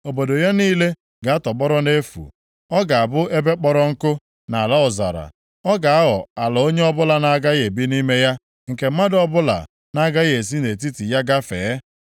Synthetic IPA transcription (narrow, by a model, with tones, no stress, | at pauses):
o˨bo˨do˨ja˦niː˦le˦ | ɡa˨a˦tɔ˨k͡pɔ˦ɾɔ˦ne˦fṵ˨ | ɔ˦ɡa˨a˨bʊ˦e˦be˦k͡pɔ˦ɾɔ˦ŋ̩˦kʊ˦ | na˨a˨la˦ɔ˨za̰˨ɾa̰˨ | ɔ˦ɡa˨a˦ɣɔ̰˨a˨lɔ˨o˦ɲe˦ɔ˦bʊ˦la˨na˦ɡa˦ɣe˨bi˦ni˦me˦ja˦ | ŋ̩˨ke˨m̩˦ma˦dɔ˦bʊ˦la̰˨ | na˦ɡa˦ɣe˨s̬i˦ne˨t̬i˦ti˨ja˦ɡa˦fḛ˨˦